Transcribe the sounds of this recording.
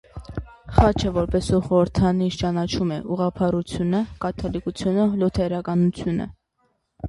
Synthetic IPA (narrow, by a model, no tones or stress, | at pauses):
χɑt͡ʃʰəvɔɾpɛsuχɔɾəɾt̪ʰɑniʃt͡ʃɑnɑt͡ʃʰumɛʔuʁɑpʰɑɾut͡sʰjunəkɑt̪ʰɑlikut͡sʰjunəlɔt̪ʰɛɾɑkɑnut͡sʰjunə̰